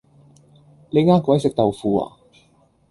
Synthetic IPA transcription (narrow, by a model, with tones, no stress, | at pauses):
le˨˧jŋaː˥kʷɔː˨˥jsɪ˨k̚t̪ɐ˨wfuː˨˧a̰ː˨˩